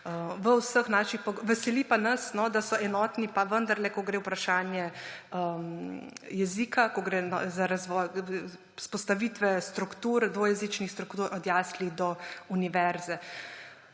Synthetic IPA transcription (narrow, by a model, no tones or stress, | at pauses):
əʋəwsəxnaːʃixpɔɡʋɛsɛlipanɐsnɔd̪asɔʔɛnɔːt̪nipaʋənd̪ɐɾlɛkɔɡɾeːwpɾaʃaːnjɛəmjɛzikakɔɡɾen̰zaɾazʋɔj | spɔst̪aʋit̪ʋɛst̪ɾukt̪uɾd̪ʋojɛzit͡ʃnixst̪ɾukt̪uɾʔɔd̪jaːsliɣd̪ɔuniʋɛɾzɛ